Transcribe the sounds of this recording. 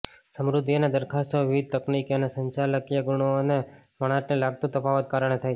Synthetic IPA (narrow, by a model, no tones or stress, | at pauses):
səmɾʊd̪ʱːioned̪əɾkʰast̪ʰoʋɪʋɪd̪̚t̪əknikjonesəɲt͡ʃaləkjəɡuɳ̃one | məɽ̃aʈnelaɡ̚t̪ũt̪əfʰaʋət̪̚kaɾəɳ̃et̪ʰaj